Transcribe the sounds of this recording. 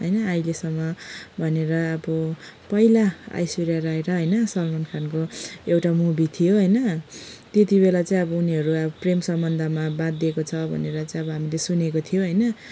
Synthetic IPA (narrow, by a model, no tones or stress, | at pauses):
ɦʌjnʌajlesʌmːʌbʱʌneɾʌːbʌpʌilaa̰jsuɾjaɾaeɾʌɦʌjnʌsʌlmʌnkʰankoewʈamubit̪ʰijoɦʌjnʌt̪et̪ibelat͡saĩʌbʌuniɦʌɾuʌbʌpremsʌmbʌnd̪ʱʌmabãt̪̚d̪ekot͡sʰʌbʱʌ̰neɾʌt͡saĩʌbʌɦamilesunekot̪ʰijoɦʌjnʌ